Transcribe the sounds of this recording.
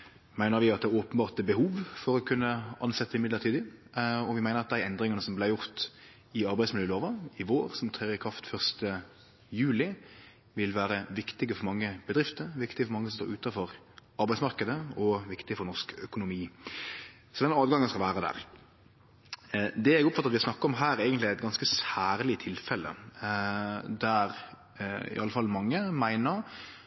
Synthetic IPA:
mæɪnəɾʋɪɑt̪̚d̪ɛæːɾoːpənbɑːʁt̪bəɦuːʋfɔɾɔkʰʉnːəʔɑ̰nsɛt̪ːəɪmɪd̪ləʁɾt̪ʰiːd̪ɪɔʋɪmæɪnəɾɑt̪̚d̪æɪɛnd̪ɾɪŋɑnəsɔmblæɪjʊɾt̪ | ɪɑɾbæɪsmɪljøːloːʋɑɪʋoːɾsɔmt̪ʰʁɛːʋəkʰʁɑft̪fœʁst̪ə | jʉːlɪ | ʋɪlʋæːɾəʋɪkt̪ɪɡəfɔɾmɑŋːəb̥əd̪ɾɪft̪əɾʋɪkt̪ɪɡəfɔɾmɑŋːəsɔmst̪o̰ːɾʉːt̪ɑfɔɾ | ɑɾbæɪsmɑɾkəd̪əɔʋɪkt̪ɪəfɔɾnɔskœkʊnʊmiː | sɔd̪ɛnɑːd̪ɡɑŋːənskɑʋæːɾəd̪æ̰ːɾ | d̪ɛɛɡɔpfɑt̪ɑt̪ʋɪɑsnɑkːəɔmɦæːɾeːɡənt̪lɪæɪt̪ɡɑnskəsæːɾlɪt̪ʰɪlfɛlːə̰ | d̪æɾ | ɪ̰ʔɑlːəfɑlːmɑŋːəmæɪnəɾ

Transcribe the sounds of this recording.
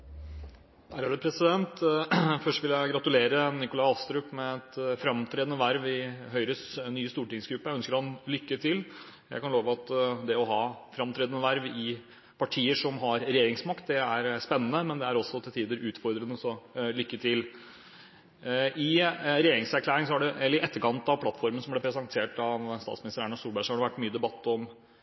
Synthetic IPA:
hæɾæɖ̪ʉpʰɾɛsɪd̪ɛnt̪fœʂʈʋɪljæɪɡɾɑt̪ʉleːɾənɪkʊlɑɑst̪ɾʉːpmɛɛt̪fɾɑmt̪ʰɾeːd̪ənəʋæɾʋɪɦœʏɾəsnːyːst̪uːʈɪŋsɡɾʉpːəjæœnskəɾhɑnlʏkːəʈ̪ʰɪl | jæ̰ɪkɑnloːʋəɑt̪d̪ɛɔɦɑːfɾɑmt̪ʰɾeːd̪ənəʋæɾʋɪ | pʰɑʈʰiːəʂɔmɦɑɾɾɛjeːɾɪŋsmɑkt̪̚d̪ɛæɾspɛnːənəmɛnd̪ɛæɾɔsːɔt̪ʰɪlt̪ʰiːd̪əɾʔʉːt̪fɔɾd̪ɾənəsɔlʏkːət̪ʰɪl | ɪɾɛjeːɾɪŋsæɾkʰlæːɾɪŋsɔhɑɖɛɛlːəɾɪʔɛt̪ːəɾkɑnt̪ɑʋpʰlɑt̪fɔɾmən̩sɔmblɛpʰɾɛsɑnt̪ʰeːʈɑʋst̪ɑ̰ːt̪smɪnɪst̪ɾæɳnɑst̪uːlbæɪʂɔhɑɖɛʋæʈːmyːəd̪ɛbɑt̪ːɔm

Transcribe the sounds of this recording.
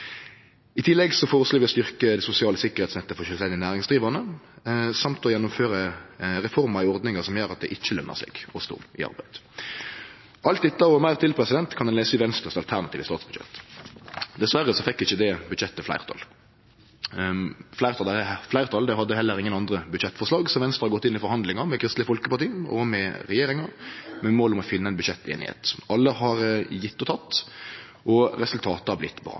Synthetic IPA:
ɪt̪ʰɪlːɛɡsɔfoːʁəsluːʋɪɔst̪ʏʁkəd̪ɛsʊsɪɑːləsɪkəʁhɛɪt̪snɛt̪ːəfɔʃœlsɛnɪənæːʁɪŋsd̪ʁiːʋɑnə | sɑmt̪ɔjɛnːʊmføːɾəʁɛfɔʁmɑɾɪɔʁd̪nɪŋəsɔmjøːɾɑt̪̚d̪ɛʔɪçːəlœnːə̰ʁsɛ̰ːɡ̥ɔst̪ṵːɪ̰ɑ̰ʁbæɪd̪̥ | ʔɑlt̪̚d̪ɛt̪ːəɔmæɪʁt̪ɪlpʰʁɛsɪd̪ɛnt̪kʰɑnd̪ɛnleːsəɪʋɛnst̪əʁst̪ɑlt̪ʰæʁnɑt̪iːʋəst̪ɑːt̪sb̥ʉd̪ɕɛ̰t̪ː | d̪ɛsʋæɾːəsɔfɛkːɪçːəd̪ɛbʉd̪ʃɛt̪ːəflæ̰ɪʁt̪ʰɑ̰l | flæɪʁt̪ʰɑlflæɪʁt̪ʰɑld̪ɛɦɑd̪ːəɦɛlːəɾɪŋːənɑnd̪ʁəbʉd̪ʃɛt̪ːfɔʁʂlɑːɡsɔʋɛnst̪ʁəɑɾɡɔt̪ːɪnːɪfɔɾhɑnd̪lɪŋɑmɛkʰɾɪst̪lɪəfɔlkəpɑʁt̪iːɔ̰mɛɾɛjeːɾɪŋɑmɛmoːlɔmɔfɪnːəɛnbʉʃɛt̪ʰːḛːnɪ̰hḛːt̪ɑlːəhɑɾjɪt̪ːɔt̪ʰɑt̪ː | ʔɔɾɛsʉlt̪ʰɑːt̪əhɑblɪt̪ːbɾɑ̰ː

